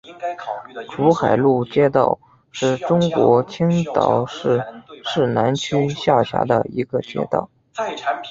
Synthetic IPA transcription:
ʈ͡ʂʰu˧˥xa˨˩ɪlu˥˩t͡ɕjɛ˥t̪ɑ̰˥˧ʊ | ʂɻ̩˥˩ʈ͡ʂʊ˥ŋkwɔ˧˥t͡ɕʰi˥ŋt̪ɑ˧˥ʊʂɻ̩˥˧ʂɻ̩˥˩na˧˥nt͡ɕʰy˥ɕja˥˩ɕja̰˧˥d̪ə̰˧i˧˥ɡə˧t͡ɕjɛ̰˥t̪ɑ̰˥˩ʊ

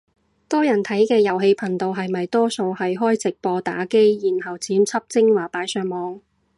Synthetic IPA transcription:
t̪ɔː˥jɐ˨˩nt̪ʰɐ˨˥jkɛː˧jɐ˨˩wɦe˧jpʰɐ˨˩nt̪o˨wɦɐ˨jmɐ˨jt̪ɔː˥so˧whɐ˨jɦɔː˥jt͡sɪ˨k̚pɔː˧t̪a̰ː˨˥ke˥jjiː˨˩nhɐ˨wt͡siː˨˥mt͡sʰɐ˥p̚t͡sɪ˥ŋwaː˨˩paː˨˧˥jsœː˧ŋmɔː˨˧ŋ

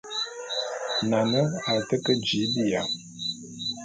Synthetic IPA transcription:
na˨nə˦a˨tə˦kə˦d͡ʒi˨˦bi˦˨ja˨

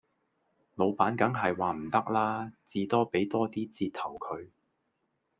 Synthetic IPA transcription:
lo˨˧wpaː˨˥nkɐ˨˥ŋɦɐ˨jwaː˨m̩˨˩t̪ɐ˥k̚laː˥t͡siː˧t̪ɔː˥pe˨˥jt̪ɔː˥t̪iː˥t͡siː˧t̪̚ʰɐ˨˩wkʰɵ˨˧ɥ

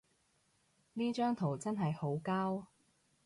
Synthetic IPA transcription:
niː˥t͡ʃœː˥ŋt̪ʰo˨˩wt͡sɐ˥nɦɐ˨jho˨˥wkaː˥w

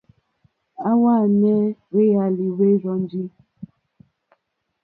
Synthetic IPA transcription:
a˦wa˦˨nɛ˦we˦ja˨li˨we˦ɾɔ˦n˦di˦

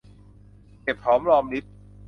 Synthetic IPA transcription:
ke˨˩p̚ʰɾɔː˦˥mɾɔː˧mni˦˥p̪̚

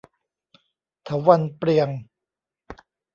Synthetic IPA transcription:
t̪ʰa˨˦wa˧npɾi˧əŋ

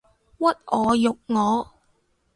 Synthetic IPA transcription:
wɐ˥t̚ʔɔː˨˧jʊ˨k̚ŋɔː˨˧

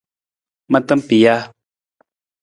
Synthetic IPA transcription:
ma˦t̪ə˦mpi˨ja˦

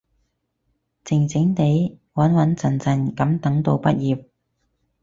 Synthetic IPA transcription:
t͡sɪ˨˩ŋt͡sɪ˨˥ŋt̪e˨˥jwɐ˨˥nwɐ˨˥nt͡sʰɐ˨˩nt͡sʰɐ˨˩nkɐ˨˥mt̪ɐ˨˥ŋt̪o˧wpɐ˥t̚jiː˨˩p̚

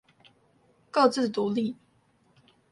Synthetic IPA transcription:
kɑ˥˧ʊt͡sɹ̩˥˨t̪u˧˦li˥˨

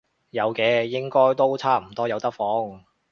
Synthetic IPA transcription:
jɐ˨˧wkɛː˨˧jɪ˥ŋkɔː˥jt̪o˥wt͡sʰaː˥m̩˨˩t̪ɔː˥jɐ˨˧wt̪ɐ˥k̚fɔː˨˥ŋ

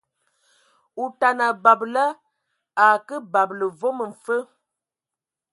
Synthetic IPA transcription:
u˨ta˨na˨ba˨blə˦ | a˨kə˦ba˨blə˨vo˦mə˨ɱ̩˨fə˦

